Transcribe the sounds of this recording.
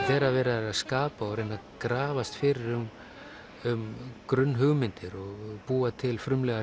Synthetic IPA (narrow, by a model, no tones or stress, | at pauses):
θɛːɾavɛːɾaaðskaːpaɔɾejnakɾaːvast̪fɪɾɪɾʏm | ʏmkɾʏnːɦʏɣmɪnt̪ɪɾɔɣpuːat̪ʰɪlfɾʏmlɛɣa